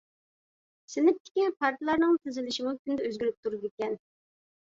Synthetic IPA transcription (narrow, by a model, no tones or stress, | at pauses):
sɪnɪp̚t̪ʰɪ̥kʲipʰɑɾt̪ʰlˠɑɾnɨŋt̪ʰɪzɪlɪʃɪmukʲynd̪ɛøzɡʲyɾyp̚t̪ʰuɾd̪ɪkʲɛn